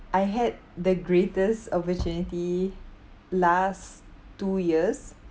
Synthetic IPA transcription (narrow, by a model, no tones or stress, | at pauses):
ʔajɦɛd̚dəɡɹetəstɔpətjũniti | las | tːujiəs